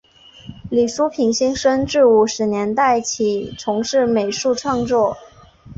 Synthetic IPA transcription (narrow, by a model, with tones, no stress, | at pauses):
li˨˩ʂu˥pʰi˧˥ŋɕi˥ŋʂə˥ŋʈ͡ʂɻ̩˥˧u˨˧˩ʂɻ̩˧˥njɛ˧˥nt̪a˥˩ɪt͡ɕʰi˨˩ʈ͡ʂʰʊ˧˥ŋʂɻ̩˥˩me˨˩ɪʂu˥˧ʈ͡ʂʰwɑ˥˧ŋt͡swɔ˥˩